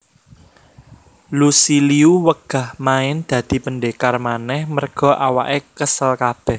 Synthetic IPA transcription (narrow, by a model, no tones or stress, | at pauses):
lusiliuwəɡ̥a̤hmaɪnd̪̥ä̤d̪̥i̤pəɳɖekarmanɛhmərɡ̥ɔ̤ʔawaʔekəsəlkab̥ɛh